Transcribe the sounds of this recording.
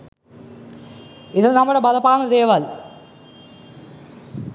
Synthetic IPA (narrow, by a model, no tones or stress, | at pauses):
iðɨnɐmːuɽebɐd̪ɐpaːnːɐd̪eːʋɐl